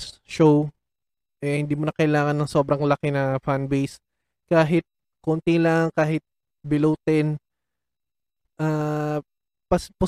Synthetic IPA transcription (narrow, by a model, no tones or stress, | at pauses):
ʃow | ʔɛhɪnd̪iːmonɐkɐʔɪlaːŋɐnːɐŋso̞ːbɾɐŋlɐkɪnɐfanbejs | kaːɦɪt̪̚ | kont̪ɪŋlɐŋkaːɦɪt̪̚ | bɪluːt̪ɛn | ʔaː | pɐspʊ